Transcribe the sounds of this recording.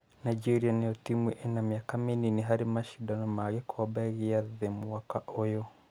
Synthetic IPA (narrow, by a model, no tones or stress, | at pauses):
najd͡ʒɛɾianiɔtimwiʔɛnamiakamininiɦaɾimaʃidanɔmaɣɛkʰɔbɛɣiaðɛmuwakaʔɔjɔ